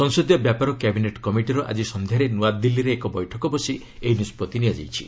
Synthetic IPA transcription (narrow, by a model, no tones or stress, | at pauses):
sɔŋsod̪jɔbjapaɾɔkɛbineʈkɔmiʈiɾɔʔa̰d͡ʒisɔnd̪ʱjaɾenuad̪ilːiɾeːkɔbɔjʈʰɔkɔbɔsi | einispɔt̪inijad͡ʒa̰jt͡ʃʰi̥̰